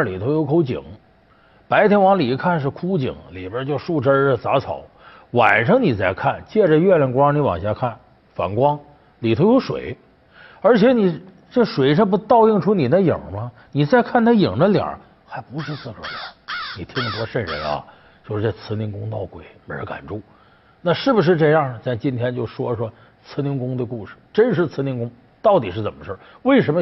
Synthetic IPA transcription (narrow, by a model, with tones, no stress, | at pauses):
ə˥˩li˨˩t̪ʰo˧˥ʊjo˧˥ʊkʰo˧˥ʊt͡ɕḭ˨˩˦ŋ | pa˧˥ɪt̪ʰjɛ˧˥nwɑ˧˥ŋli˨˩kʰa˥˧nʂ̬ɻ̩˥˩kʰu˥t͡ɕḭ˨˩˦ŋli˨˩bə˥t͡ɕjo˥˧ʊʂu˥˩ʈ͡ʂə˥˧˩t͡sa˧˥t͡sʰɑ˨˩˦ʊ | wa̰˨˩nʂɤ˥ŋni˨˩t͡sa˥˩ɪkʰa˥˩nt͡ɕjɛ˥˧ʈ͡ʂə˨ɥɛ˥˧lɛ˥˩nkwɑ˥ŋni˧˥wɑ̰˨˩ŋɕja˥˧kʰa˥˩n | fa̰˨˩nkwɑ˥ŋ | li˨˩t̪ʰo˧˥ʊjo˧˥ʊʂwḛ˨˩˦ɪ | ə˞˧˥t͡ɕʰjɛ˧˥ni˨˩ | ʈ͡ʂɤ˥˩ʂwe˨˩ɪʂ̬a˥p̬u˧˥t̪ɑ˥˧ʊi˥˩ŋʈ͡ʂʰu˥ni˨˩d̪ə˦ji˨˩mɐ˦ni˨˩t͡sa˥˧ɪkʰa˥˩nt̪ʰa˥˩ji˨˩ŋdə˦ljɑ̰˨˩˦ | xa˧˥ɪpu˧˥ʂɻ̩˥˧t͡sɹ̩˥˩kə˨˩l̰ni˨˩t̪ʰi˥ŋt̪wɔ˥ʂə˥˩ɻə̰˧˥nɐ̰˧˩ | t͡ɕjo˥˧ʊʂɻ̩˧t͡sa˥˩t͡sʰɹ̩˧˥ni˧˥˧ŋkʊ˥ŋt̪ɑ˥˩ʊkwe˨˩ɪme˧˥ɪɻə̰˧˥ka̰˨˩nʈ͡ʂu˥˩ | na˥˧ʂɻ̩˥˩bu˩ʂ̬ɻ̩˥˧ʈ͡ʂɤ˥˧jɑ˥˩ə˩t͡s̪a˥˩t͡ɕi˥nt̪ʰjɛ˥nt͡ɕjo˥˩ʊʂwɔ˥ʂwɔ˥ | t͡sʰɹ̩˥ni˧˥ŋkʊ˥ŋd̪ə˧ku˥˧ʂɻ̩˨˩ʈ͡ʂə˥nʂɻ̩˥˩t͡sʰɹ̩˥ni˥˧ŋkʊ˥ŋ | t̪ɑ˥˩ʊt̪i˨˩ʂɻ̩˥˩t͡sə˨˩mə˦ʂə˥˩ | we˥˩ɪʂə˧˥nmə˧